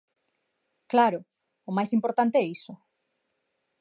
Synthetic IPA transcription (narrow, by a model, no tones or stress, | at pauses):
klaɾʊ | ʊmajsimpoɾt̪ant̪eɛisʊ